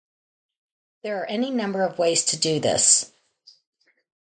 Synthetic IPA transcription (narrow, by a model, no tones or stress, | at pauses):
ðə˞ːʔɛninʌ̃mbə˞ʌvweɪz̥tʰɨdɨðɪ̰s